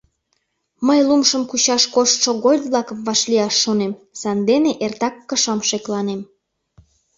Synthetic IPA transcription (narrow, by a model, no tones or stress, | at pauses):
məjlumʃəmkut͡ɕɑʃkoʃt̪ʃoɣojʲβlɑkəmβɑʃliɑʃːonem | sɑnd̪eneʔert̪ɑkːəʃɑmʃeklɑnem